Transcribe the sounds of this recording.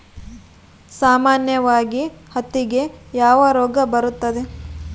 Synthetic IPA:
saːmaːnjɐʋaːɡihɐt̪ːiɡe̞jaːʋɐɾoːɡɐbɐɾut̪ːɐd̪e̞

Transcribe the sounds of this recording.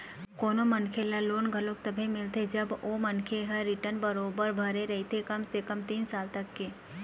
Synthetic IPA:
koːnomɐnkʰeːlaloːnɡʱɐlõːk̚t̪ɐbʱemɪlt̪ed͡ʒɐboːmɐnkʰeɦɐːɪʈənbəɾoːbəɾbʱɐɾeɾɐɦet̪ʰekɐmsekɐmt̪iːnsaːlt̪ɐkːe

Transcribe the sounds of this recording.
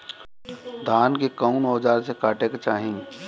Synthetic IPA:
d̪ʱaːnkekaʊnɔːd͡ʒaːɾsekaːʈeket͡ʃaːɦĩ

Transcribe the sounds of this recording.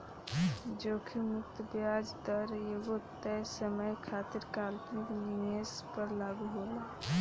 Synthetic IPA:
d͡ʒoːkʰimʊkt̪bjad͡ʒd̪əɾjeɡot̪ɛsəməjkʰaːt̪iɾkaːlpnikniespəɾlaːɡuɦola

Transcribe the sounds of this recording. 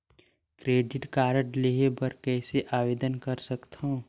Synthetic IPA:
kɾeːɖɪʈkaːɾəʈleɦebəɾkɛːseʔaːʋeːd̪ənkəɾsəkt̪ʰõ

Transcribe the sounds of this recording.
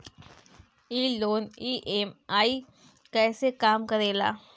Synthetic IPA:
iːloːniːʔeːmaːi | kɛːsekaːmkɐɾeːla̰ː

